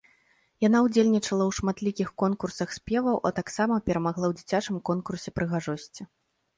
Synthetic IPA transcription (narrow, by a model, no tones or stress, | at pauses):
janawd͡zʲelʲnʲit͡ʂɐlˠɐwʂmat̪lʲikʲixkɔnkursɐxsʲpʲɛvɐwʔɐt̪aksamɐpʲɛɾɐmaɣlˠawd͡zʲit͡sʲat͡ʂɨmkɔnkursʲɛpɾɨɣaʐɔsʲt͡sʲi